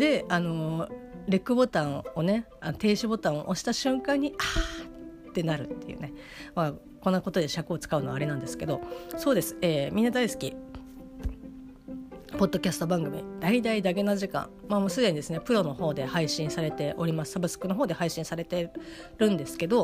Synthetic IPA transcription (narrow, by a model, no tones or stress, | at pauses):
d̪̥e̞ano̞ɾekɯ̟bo̞t̪ãɰ̃o̞ne̞ | anot̪e̞ːɕibo̞t̪ãɰ̃o̰ʔoɕi̥t̪aɕɨ̃ŋkãɲ̟ːia | t̪ːe̞naɾɯ̟t̪ːe̞jɯ̰ne̞ | ma | kõ̞nːako̞t̪o̞d̪e̞ɕakɯ̟ot͡sɨ̥kaɯ̟no̞aːɾe̞nãnd̪e̞sɨ̥ke̞d̪o̞so̞ːd̪e̞sɨ̥eːmʲĩnːad̪aisɨ̥kʲi | po̞d̪ːo̞kʲasɨ̥t̪o̞bãŋɡɯ̟mʲḭd̪̥aid̪aid̪aɡe̞naʑikã̰ɴmaːmoːsɨd̪e̞ɲ̟id̪e̞sɨne̞pɯ̟ɾo̞no̞ho̞ːd̪e̞haiɕĩɰ̃saɾe̞t̪e̞ʔo̞ɾʲimasɨ̥sabɯ̟sɨ̥kɯno̞ɦoːd̪e̞haiɕĩɰ̃saɾe̞t̪e̞ | ɾɯ̟̃nd̪e̞sɨ̥ke̞d̪o̞